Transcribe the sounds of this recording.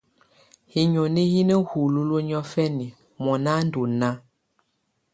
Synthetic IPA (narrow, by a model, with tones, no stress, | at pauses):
hi˨ɲɔ˨ni˦ji˦nə˦hu˨lu˦lo˦ɲɔ˦fɛ˦ni˨ | mɔ˨na˦n˦du˨na˦